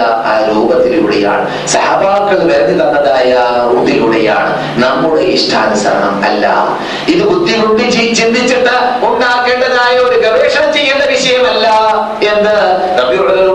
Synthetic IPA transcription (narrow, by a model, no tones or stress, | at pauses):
ɐaːɾuːbɐt̪ːiluːɽḛja̰ːɳɨ | sɐhaːbaːkːɐɭʋeɾɐðit̪ɐnːɐðaːjɐuːd̪iluɽeja̰ːɳɨ̰ | nɐmːuɽeʔiʂʈʰaːnusɐ̰ɾɐ̰ɳɐmɐ̰lːɐ̰ | iðɨbud̪ːiɣuɳɖit͡ɕit͡ɕind̪it͡ɕːɐʈ̪ːɐonːaːkːeɳɖɐnaːjɐo̞ɾuɡɐʋeːʂɐɳɐmt͡ɕe̞jːunːɐʋiʂɐjɐmɐlːɐ | e̞nd̪ɨ | nɐbiɐlɐ